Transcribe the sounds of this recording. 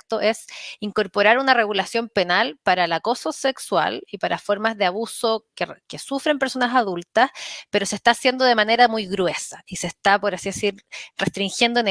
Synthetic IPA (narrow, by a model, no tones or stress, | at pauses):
kt̪oʔe̞siŋko̞ɾpo̞ɾaɾunare̞ɣulasjo̞mpe̞nalpaɾaelako̞sosekswa̰lipaɾʔafo̞ɾmazðeaβuso̞kekesufɾe̞mpeɾso̞nasaðult̪aspeɾo̞sest̪aːsje̞nd̪o̞ðemane̞ɾamujɣɾwe̞saisest̪apoɾasiðe̞siɾrest̪ɾiŋxjend̪oen